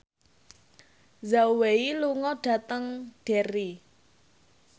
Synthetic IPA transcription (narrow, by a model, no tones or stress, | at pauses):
zaweiluŋɔɖ̥ä̤t̪əŋɖ̥e̤ɾi